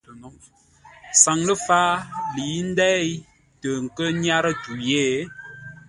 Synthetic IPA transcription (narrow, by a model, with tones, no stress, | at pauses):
nɔ˨˦ | sa˨ŋlə˦faː˦li˨˦n̩˦dɛ˦j | tə˨ŋ̩˨kə˦ɲa˦ɾə˦tu˨jeː˦˨